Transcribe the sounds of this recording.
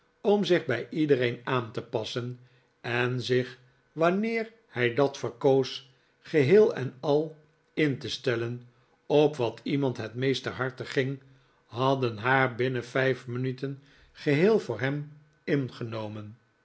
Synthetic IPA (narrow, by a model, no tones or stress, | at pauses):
ɔmzɪχbɛjʔidəɾejnaːntəpɑsən | ɛnzɪχ | ʋɑnɪːɹ | hɛjdɑtfəɹkows | χəɦɪːlˠɛ̰nɑlˠ | ɪntəstɛlən | ɔpʋɑtʰimɑntɦɛtmejstəɹɦɑɹtəχɪŋ | ɦɑdənɦaːɹbɪnəfɛjfmənytən | χəɦɪːlˠvʊːɹɦɛm | ɪnχənowmən